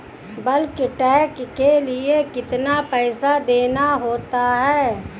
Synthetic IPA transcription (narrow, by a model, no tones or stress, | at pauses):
bɐlkɪʈɛːkkelɪekɪt̪napɛːsad̪eːnaɦoːt̪aɦɛː